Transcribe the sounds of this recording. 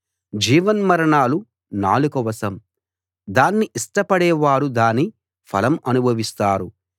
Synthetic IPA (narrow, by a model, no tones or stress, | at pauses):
d͡ʒiːʋɐnmɐɾɐɳaːlu | naːlukɐʋɐsɐm | d̪aːnːiʔisʈɐpɐɽɛːʋaːɾud̪aːnːi | pʰɐ̰lɐmɐnubʱɐʋist̪aːɾu